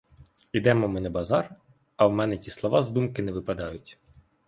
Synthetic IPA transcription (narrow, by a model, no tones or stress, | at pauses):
id̪ɛmɔmɪnɛbɐzɑr | ɐwmɛnɛtʲislˠɔʋɑzd̪umkɪnɛʋɪpɐd̪ɑjʊtʲ